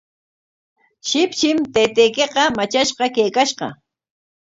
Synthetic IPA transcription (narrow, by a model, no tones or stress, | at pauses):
ʃɪpʃɪmt̪ejt̪ejkeqɑmat͡ʃaʃqɑkejkaʃɢɑ̰